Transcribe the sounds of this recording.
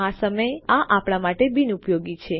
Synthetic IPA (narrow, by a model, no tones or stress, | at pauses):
asəməjaʔapɽ̃amaʈebinupjoɡit͡ʃʰe